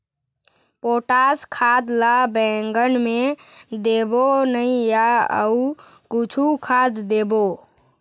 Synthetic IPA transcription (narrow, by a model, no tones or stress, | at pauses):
poːʈaskʰad̪labɛ̃ŋɡənmẽd̪ebonəĩjaə̰u | kʊt͡ʃʰukʰad̪d̪ebo